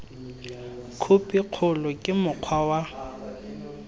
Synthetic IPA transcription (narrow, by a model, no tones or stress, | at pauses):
kʰupʼiq͡χʰʊlʊkʼɪmʊq͡χʰwawa